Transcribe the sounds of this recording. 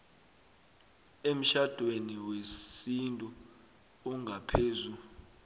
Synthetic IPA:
em̩ʃad̥ʱweniweintʼuː | ŋʱapʰeːzu

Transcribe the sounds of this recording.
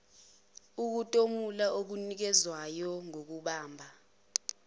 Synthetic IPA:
uk̬utʼomulaʔok̬unik̬ɛzwajɔŋok̬uɓaːmbʱa

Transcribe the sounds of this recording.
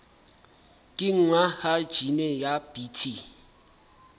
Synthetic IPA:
kʼɪŋ̩ŋwahad̥ʒ̥ʱinejab̥itʰi

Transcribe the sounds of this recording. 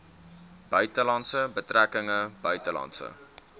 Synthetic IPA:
b̥œɥtəlɑntsəbətrækəŋəb̥œɥtəlɑ̰ntsə̰

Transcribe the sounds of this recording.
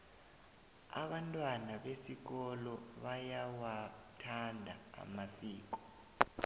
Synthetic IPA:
a̰ɓantʼwanaɓesik̬ɔlɔɓajawatʰandʱa̰ːmasiːk̬ʼɔ̥

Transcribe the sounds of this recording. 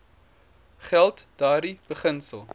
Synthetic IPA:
χælˠtd̥ɑːɾib̥əχənsəlˠ

